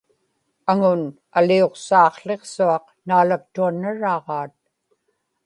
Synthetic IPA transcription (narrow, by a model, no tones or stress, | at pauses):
aŋʊn | alio̞qsɑːχɬe̞qsuɑq | naːlak̚t̪uanːaɻɑːʁɑːt̪̚